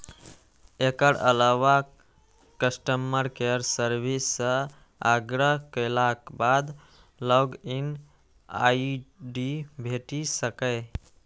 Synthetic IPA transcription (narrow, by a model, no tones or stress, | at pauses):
ekəɾə̰lawa | kəsʈəmːəɾkeɾsəɾbʱisːə̃ | aɡɾəɦkəlakbad̪ | ləɡin | a̰iɖibʱeʈisəkə